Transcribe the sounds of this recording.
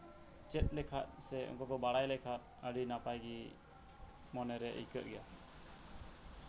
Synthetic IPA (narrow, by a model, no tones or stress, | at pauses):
t͡ʃɛt̪̚ˀlɛkʰat̪̚sɛɔ̰ŋkɔkɔbaɽajlɛkʰat̪̚ | əɽinapajɡi | mɔnɛɾɛʔḭkət̪ʔ̪̚ɡɛja